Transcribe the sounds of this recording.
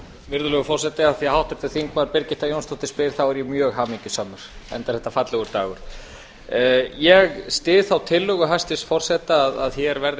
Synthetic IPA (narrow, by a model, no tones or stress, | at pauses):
vɪɾðʏlɛɣʏfɔr̥sɛt̪ɪaðθjɛɦawht̪ʏɾ̥t̪ʰɪ̥θiŋkmaɾpɪɾcɪht̪ajownst̪ɔwht̪ɪspɪɾ̥θawɛɾjɛmjœːɣɦaːmiɲcʏsaːmʏɾ̥ɛ̰nt̪aɾ̥hɛht̪afat̪lɛɣʏɾt̪a̰ːɣʏɾ̥ | jɛɣst̪ɪːðθawt̪ʰɪlːœɣʏɦajst̪ɪsfɔr̥sɛht̪aːða̰ðçjɛɾvɛɾð